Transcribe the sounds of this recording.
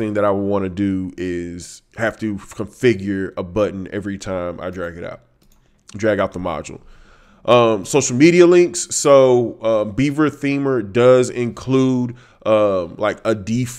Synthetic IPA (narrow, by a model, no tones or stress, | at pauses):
θɪ̃ŋðɨɾaɪwəd̚wɑ̃nɨdɨɪz̥hæftɨkʰə̃ɱfɪɡjə˞əbʌʔn̩ɛ̰vɹitʰãɪ̃mʔa̰ɪdɹæɡɨɾa̰ʊt̚ | dɹæɡaʊt̪̚ðəmɑ̰d͡ʒl̩ˠ | ʔʌ̃msoʊʃl̩ˠmiɾiɨlɪ̃ŋksːoʊʌ̃mbivə˞θĩmə˞dʌzɪ̃nkʰl̥uɾ | ʔʌ̃mlaɪkədif